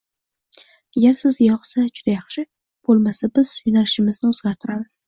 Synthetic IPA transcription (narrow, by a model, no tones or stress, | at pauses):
aɡʲaɾsɪzjɒχsad͡ʒʊd̪ajɑχʃɪ | b̥olˠmasabɪz̥jʊnalɪʃɪmɪznɪoz̥ɡʲaɾt̪ʰɪɾamɪz̥